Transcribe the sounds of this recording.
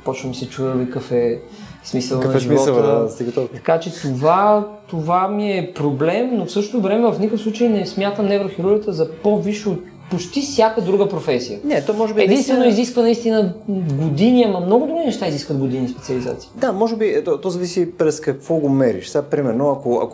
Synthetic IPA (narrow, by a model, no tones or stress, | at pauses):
pɔt͡ʃnəmisɛt͡ʃuvɛlikɐfɛ | smisəlˠɐnɛʒimivsɔtəld̪st̪iɡət̪ot̪ɐ̥kat͡ʃɛt̪ovat̪ovamiɛpɾoblɛmnofsɤʃt̪ot̪ovɾɛmɛvɐfnikəkfsˠut͡ʃəjnɛsmʲjat̪əmnɛvɾxiɾuɾɡət̪əzɐpoviʃɛot̪ | pot͡ʃt̪ifsʲjakəd̪ɾuɡəpɾofɛsijənɛt̪ɔmɔʒɛbiɛd̪ĩnt̪vɛnoiziskvənɐist̪inəɡod̪iniamɐmnoɡʊd̪ɾuɡʲinɛʃt̪aiziskvət̪̚ɡod̪inispɛt̪siɐliza̰t̪si̥ːd̪amɔʒɛbit̪ɔt̪ɔzɐvisipɾɛskɐkvɔɡomɛɾḭʃsɛapɾimɛɾnoɐkoɐ̰k